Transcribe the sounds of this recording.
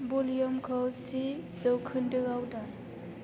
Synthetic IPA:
bolijɔmkʰɔwsizɯwkʰɯndɯɡawda

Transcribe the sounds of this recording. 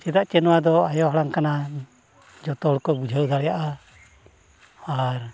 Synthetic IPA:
t͡ʃɛd̪aʔt͡ʃɛnɔwad̪ɔajɔɦɽaŋkana | d͡ʒɔt̪ɔlkɔbud͡ʒʱawd̪aɾɛjaʔa | aɾ

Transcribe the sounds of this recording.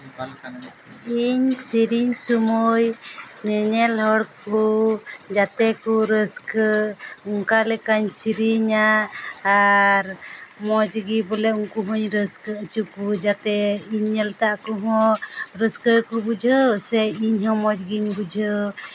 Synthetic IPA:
iɲsiɾiɲsumujnɛɲɛlɦɔɽkud͡ʒat̪ɛkuɾəskəuŋkalɛkaɲsiɾiɲaː | ɾmɔd͡ʒɡibɔlɛuŋkuɦɔɲɾəskəːt͡ʃukud͡ʒat̪ɛiɲːɛlt̪aʔkuɦɔ̃ɾəskəkubud͡ʒʱəsɛiɲɦɔ̃mɔd͡ʒɡiɲbud͡ʒʱɔ

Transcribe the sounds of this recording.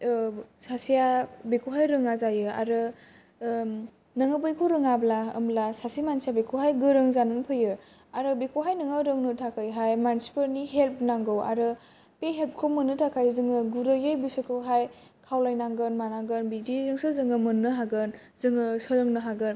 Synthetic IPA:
sasijabikʰuwɦajɾɯŋazajɯa̰ɾɯ | nɯŋɯbɯjkʰuɾɯŋablaɯ̰mlasasimansijabikʰuɦajɡɯɾɯŋzanɯnpʰɯjɯ | aɾɯbikʰuɦajnɯŋɯɾɯŋnɯtʰakʰajɦajmansi̥pəɾniɦelp̚naŋɡɯwa̰ɾɯ | peɦelp̚kʰomɯnːɯtʰakʰajzɯŋɯɡuɾɯjɯjbisɯkʰɯɦaj | kʰawlajnaŋɡɯnmanaŋɡɯnbidizɯŋsɯzɯŋɯmɯnːɯɦaɡɯn | zɯŋɯsɯlɯŋnɯɦaɡɯn

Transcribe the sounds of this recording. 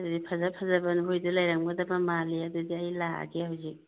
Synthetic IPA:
ɐdudipʰazapʰazabɐnuɦojdulajɾaŋbɐdɐbamaliɐdudiɐjlaa̰ɡehawzik̚

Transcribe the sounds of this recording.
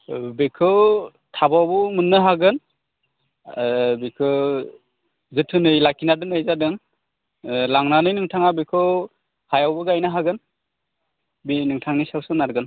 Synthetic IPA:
bekʰɯw | tʰabawbɯmɯnːɯɦaɡɯn | bekʰɯ | zɯtʰɯnɯjlakinadɯŋɯjzadɯŋ | laŋnanɯjnɯŋtʰaŋabekʰɯw | hajawbɯɡajnɯɦaɡɯn | binɯŋtʰaŋnisawsɯnaɾɡɯn

